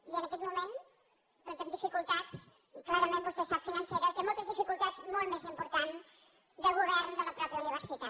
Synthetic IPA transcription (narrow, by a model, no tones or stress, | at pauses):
iənakɛt̪mumẽn | p̪õt̪end̪ifikulˠt̪at͡s | klaɾəmẽnosesafinanseɾəsamolˠt̪əzðifikulˠt̪azmolˠmezimpuɾt̪an | d̪əlɣuβɛɾnd̪ələpɾɔpjəuniβ̞əɾsit̪a